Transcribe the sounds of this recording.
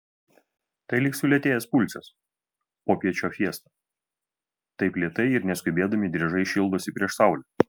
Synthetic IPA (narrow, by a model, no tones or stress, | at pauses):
t̪ɐɪlʲɪksʲʊlʲɛt̪ʲeːjɛspʊlʲsʲɛs | poːpʲiɛt͡ʃʲoːfʲiɛst̪ɐ | t̪ɐɪplʲiɛt̪ɐɪɪɾnʲɛsʲkʲʊbʲeːd̪ɐmʲɪd̪ʲɾʲiɛʒɐɪʃʲɪlˠd̪oːsʲɪpʲɾʲiɛʃsɑˑʊlʲo